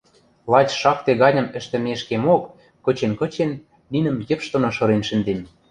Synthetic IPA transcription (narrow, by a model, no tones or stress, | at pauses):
lˠɑt͡ɕʃɑk̚t̪eɣɑnʲɤ̆mɘ̆ʃt̪ĕmeʃkemokː | ɤ̆t͡ɕenkɤ̆t͡ɕenː | inə̆mjɘ̆pʃt̪ŏnoʃɤ̆ɾenʃɘ̆nd̪em